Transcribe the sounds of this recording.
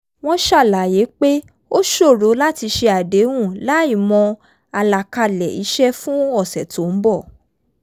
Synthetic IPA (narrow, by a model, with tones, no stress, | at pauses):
w̃ɔ̃˦ʃa˦˨la˨je˨˦k͡pe˦ | o˦ʃo˦˨ɾo˨˦la˦ti˧ʃe˧a˨de˨˦w̃ũ˦˨la˨˦i˦˨mɔ̃˧ | a˧la˨ka˧lɛ̰˨i˨˦ʃɛ˦fũ˦ɔ˦˨sɛ˨to˨˦˧bɔ˦˨